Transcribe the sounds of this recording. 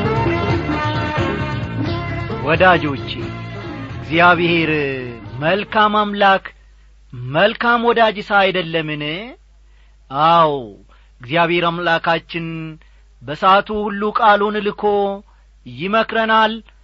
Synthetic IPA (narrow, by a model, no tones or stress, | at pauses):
wɔd̪ad͡ʒo̞t͡ʃː | ɨɡzijaβhe̞ɾməlkʰamamlakʰ | məlkamwɔd̪ad͡ʒɪsajd̪əlːəmɨn | aw | ɪɡzijaβheɾamlakʰat͡ʃːɪn | bəsat̪ʰuhulːukʼalunlɨkʰo̞ | jɪməkɾənal